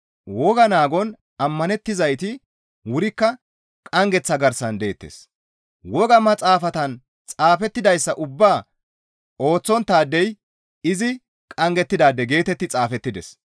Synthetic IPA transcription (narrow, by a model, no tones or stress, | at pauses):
wɔɡɐnaːɡɔn | ɐmːɐnɛt̪ːɪzɐjt̪ɪ | wʊɾɪkːɐ | kʼɐŋɡɛt͡sːɐɡɐɾsɐnd̪e̞ːt̪ːḛs | wɔɡɐmɐt͡sʼaːfɐt̪ɐn | t͡sʼaːfɛt̪ːɪd̪ɐjsːɐʔʊbːaː | o̞ːt͡sːɔnt̪ːaːd̪ːɛj | ɪzɪ | kʼɐŋɡɛt̪ːɪd̪aːd̪ːɛɡe̞ːt̪ɛt̪ːɪt͡sʼaːfɛt̪ːɪd̪ɛs